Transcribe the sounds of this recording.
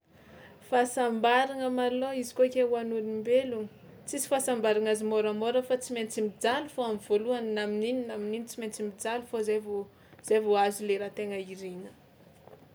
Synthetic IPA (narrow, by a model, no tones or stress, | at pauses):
fasambaɾaŋəmaloizikokʲewanuɾimbeluŋə̥ | t͡sisi̥fasambaɾaŋazimoɾəmoɾəfat͡siment͡simid͡zalufoamvoluaninaminininamininit͡siment͡simid͡zalufozevo | z̥evoazuleɾat̪eŋəiɾinə